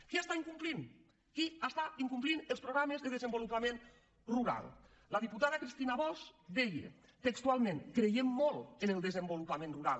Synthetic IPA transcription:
keast̪aiŋkumplin | kiast̪aiŋkumplinelˠspɾoɣɾamezðeðəzəmbolupamẽn | ruɾa̰lˠ | ləðiput̪aðəkɾist̪inaβɔzd̪ɛjḛ | t̪ekst̪ualˠmẽnkɾejemːɔlˠenəlˠd̪əzəmbolupamẽnruɾa̰lˠ

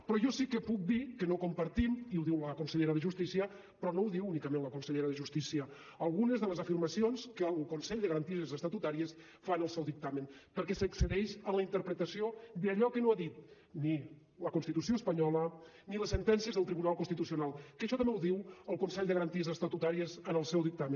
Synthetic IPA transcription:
pɾɔʒɔsikəpuk̚d̪ikənokumpəɾt̪imiuðiwləkunsəʎeɾəðəʒust̪isiə | pɾɔnowðiwunikəmẽnləkunsəʎeɾəðəʒust̪isiə | əlˠɣunəzðələzəfiɾmɐsionskəlˠkunsɛʎd̪əɣɾɐnt̪iezəst̪at̪ut̪aɾiəs | fanəlˠsɛwðik̚t̪amənpəɾkɛsəksəɾɛʃənləint̪əɾpɾət̪əsiod̪əʎɔkənoaðit̪ | ni | ləkunst̪it̪usioəspəɲɔlə | niləsənt̪ɛnsiəzðəlˠt̪ɾiβunalˠkunst̪it̪usiunalˠkəʃɔt̪əmbeɛwðiwəlˠkunsɛʎd̪əɣɾənt̪iəzəst̪ət̪ut̪aɾiəzənəlˠsɛwðik̚t̪amən

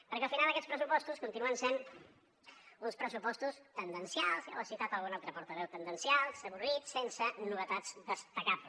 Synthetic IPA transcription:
pəɾkɛəlˠfinalˠd̪əkɛt͡sspɾəsupɔst̪uskunt̪inuənsen | unspɾəsupɔst̪ust̪ənd̪ənsialˠzja̰wəsiwt̪at̪əlˠɣunalˠt̪ɾəpɔɾt̪əβ̞ɛwt̪ənd̪ənsialˠsəβ̞urit̪sensənuβət̪ad͡zd̪əst̪əkaplə

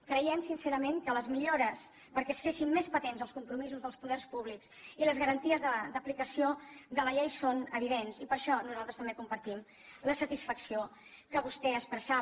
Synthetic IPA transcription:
kɾəjɛmsinseɾəmeŋkələzmiʎoɾəs | pəɾkɛəsfesimːespət̪enzəlˠskumpɾumizuzðəlˠspuðɛrspuβliksiləzɣəɾənt̪iəzðəd̪əplikəsiod̪ələʎejsonəβiðensipəɾʃɔnuzalˠt̪ɾəst̪əmbekumpəɾt̪im | ləsət̪isfəksio | kəβust̪ɛəspɾəsa

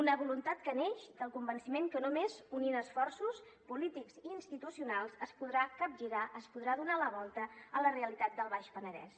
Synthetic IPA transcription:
unəβulunt̪at̪̚kəneʃd̪əlˠkumbənsimeŋkənomezuninəsfɔrsus | pulit̪ikziːnst̪it̪usiunalˠzəspuðɾakap̚ʒiɾaʔəspuðɾaðunaləβɔlˠt̪əələreəlit̪at̪̚d̪əlˠβ̞aʃpənəðɛ̰s

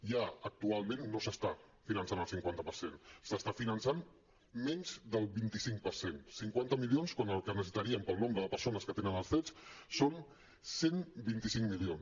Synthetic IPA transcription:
ʒaək̚t̪ualˠmẽnːosəst̪a | finənsanəlˠsiŋkwant̪əpəɾsensəst̪afinənsan | mɛɲʲzðəlˠβint̪isiŋkpəɾsensiŋkwant̪əmilionskwanəlˠkənəs̬it̪əɾiəmpəlˠnombɾəðəpəɾsonəskət̪enənəlˠsθɾɛt͡sson | senbint̪isiŋmilions

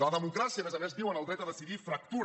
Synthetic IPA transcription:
ələðəmukɾasiəmezəmezðiwənəlˠt̪ɾɛt̪əðəsiðifɾək̚t̪u

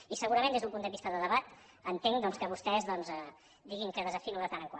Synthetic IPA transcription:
isəɣuɾəmẽnd̪ezðumpund̪əβist̪əðəðəβat̪ | ənt̪eŋd̪ɔnskəβust̪ɛzðɔnzɛ | d̪iɣiŋkəðəzəfiɾuðət̪anəŋkwa

